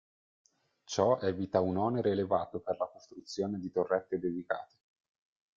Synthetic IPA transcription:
t͡ʃɔɛːvit̪aunɔːneɾeːlevaːt̪operlakost̪ɾut̪sːjoːned̪it̪orːɛt̪ːed̪ed̪ika̰ːt̪e̥

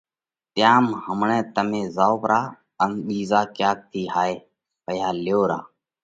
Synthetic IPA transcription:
t̪ɪjaːmhəmɳɛ̃ːt̪əmẽːzaːoːpɾʔaː | ənɓiːzaːkjaːk̚t̪ʰiːɦaːeː | pəjaːljoːɾa̰ː

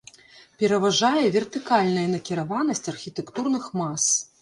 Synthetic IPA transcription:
pʲɛɾɐvaʐajɛvʲɛrt̪ɨkalʲnɐjɛnɐkʲiɾavan̪ɐsʲt͡sʲɐrxʲit̪ɛkt̪urnɨxmas

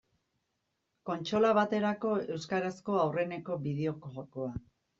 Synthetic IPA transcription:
ko̞nt͡ʃo̞laβ̞at̪e̞ɾako̞e̞wskaɾasko̞awre̞ne̞ko̞βið̞e̞o̞kʝoko̞a

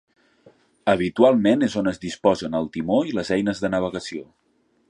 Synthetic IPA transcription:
əβit̪ualˠmenezonəzdispɔzənəlˠt̪imoiləzɛjnəzðənəβ̞əɣəsio

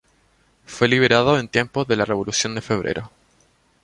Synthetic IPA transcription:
fwe̞liβe̞ɾaðoent̪je̞mpozðe̞lareβo̞lusjo̞nd̪efeβ̞ɾʔḛɾʔo

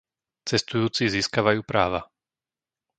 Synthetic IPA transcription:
t͡sɛst̪ujuːt͡siziːskaʋajuːpɾaːʋa

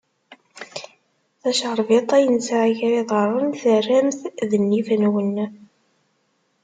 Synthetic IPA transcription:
θæʃəɾˤvet̪ˤæjənsaʕaʝɾiðˤərˤənθərːæmθðənːifnwənː

